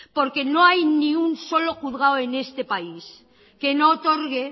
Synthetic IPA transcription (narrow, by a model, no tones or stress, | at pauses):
po̞ɾke̞no̞ajnĩunso̞loχuðɣaoe̞ne̞st̪e̞pais | ke̞noːt̪o̞ɾɣe